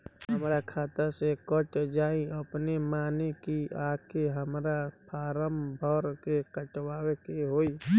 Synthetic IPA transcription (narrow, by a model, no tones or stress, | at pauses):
ɦəmɾakʰaːt̪asekɔʈd͡ʒaːĩəpnemaːnekiaːkeɦəmɾapʰaːɾəmbʱɔːɾkekəʈwaːwekeɦoːi